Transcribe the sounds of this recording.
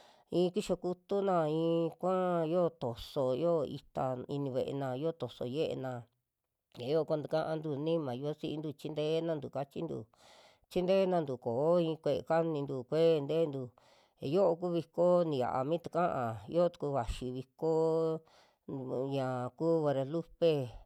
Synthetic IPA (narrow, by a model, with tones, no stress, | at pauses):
ĩː˧˦˧ki˦ʃo˧ku˦t̪u˦nã˧ĩː˧kʷã˦jo˦t̪o˨so˧jo˦˧ḭ˧t̪a˧ḭ˧nĩ˧βe˧˨ʔḛ˧nã˧jo˦˧t̪o˨so̰˧je˦ʔḛ˧nã˧ | e˨˦jo˦˧kʷã˦nd̪u˧kã˦ʔa˧nd̪u˧˨nĩ˦mã˨jo˧˦si˦ʔi˧nd̪u˧t͡ʃi˦nd̪e˦nã˧nd̪u˨ka˧t͡ʃi˦nd̪ṵ˧˨ | t͡ʃi˦nd̪eː˦nã˧nd̪u˨koː˨˦ĩ˧kʷe˧˨ḛ˧ka˦nĩ˧nd̪u˧˨kʷe˦˧nd̪eː˦nd̪u˧˨ | jo˦ʔo˧k̬u˦βi˧ko˦nĩ˨˧ja̰˨ʔa̰˧mĩ˦t̪u̥˧kã˦ʔã˨jo˦˧t̪u̥˧ku˧βa˨ʃi˧βi˧ko˦ | ɲã˨kuː˦βa˧ɾa˧lu˦pe˦˧